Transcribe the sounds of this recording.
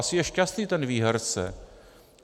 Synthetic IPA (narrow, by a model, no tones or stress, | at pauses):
asɪjɛʃcast̪niːt̪ɛnviːɦɔɾt͡sɛ̰